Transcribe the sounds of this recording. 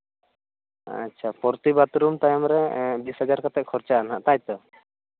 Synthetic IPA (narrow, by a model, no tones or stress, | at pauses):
a̰tːt͡ʃʰapɔɾt̪ibat̪ɾumt̪ajmɾɛbisɦad͡ʒaɾkat̪ɛʔ̚kʰɔɾt͡ʃaʔanaʔt̪ajt̪ɔ